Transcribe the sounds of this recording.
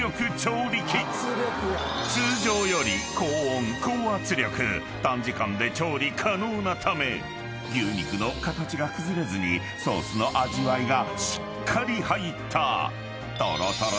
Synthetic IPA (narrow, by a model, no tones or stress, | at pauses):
o̞kɯ̟t͡ɕo̞ːɾʲikʲi | sɨːʑo̞ːjo̞ɾʲiko̞ːõŋkʰo̞ːat͡sɨɾʲjo̞kɯ̟̰ | t̪ãɲ̟d͡ʑikãnd̪e̞t͡ɕo̞ːɾʲikʰano̞ːnat̪ʰame̞ | ɡʲɨːɲ̟ikɯ̟no̞kat̪at͡ɕiɡakɯ̟zɨɾe̞zɨɲ̟i | so̞ːsɨno̞ʔaʑiβaiɡaɕi̥kkʰːaɾʲihait̪ʰːa̰ | t̪a̰ɾat̪aɾ